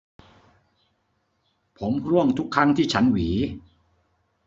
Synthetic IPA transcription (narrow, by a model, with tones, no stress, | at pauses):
pʰo˩˦mkʰɾu˥˩əŋt̪ʰu˦˥kʰːa˦˥ŋt̪ʰiː˥˩t͡ɕʰa˦˥nwiː˩˦